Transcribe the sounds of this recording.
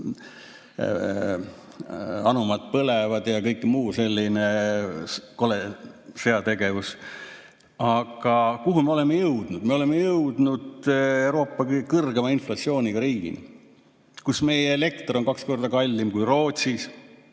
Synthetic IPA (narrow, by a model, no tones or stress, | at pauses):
ɑnumɑd̪̥̚pɤlevɑd̪̥jɑkɤjkːmuːse̞lʲːine̞ | ko̞lese̞ɑt̪e̞ɡe̞vus | ɑɡ̥ɑkuɦume̞o̞le̞mːejɤwd̪̥nud̪̥me̞o̞le̞mːejɤwd̪̥nud̪̥ewɾo̞ːpːˑɑkɤrɡ̥emɑinflɑtsio̞ːnʲiɡ̥ɑɾiːɡ̥ḭnḭ | kusme̞jeːle̞kt̪ronkɑksko̞rd̪̥ɑkɑlʲːimkujro̞ːt̪ʲsis